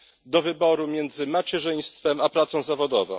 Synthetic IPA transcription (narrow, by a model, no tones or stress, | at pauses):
d̪ɔvɘbɔɾumʲjɛnd̪zɘmat͡ɕɛʐɘj̃st̪fɛmapɾat̪sɔ̃w̃zavɔd̪ɔvɔ̰̃